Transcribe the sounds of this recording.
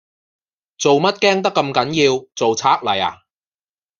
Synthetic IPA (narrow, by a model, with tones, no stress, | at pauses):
t͡so˨wmɐ˥t̚kɛː˥ŋt̪̬ɐ˥kːɐ˧mkɐ˨˥njiː˧wt͡so˨wt͡sʰaː˥k̚lɐ̰˨˩ja̰ː˨˩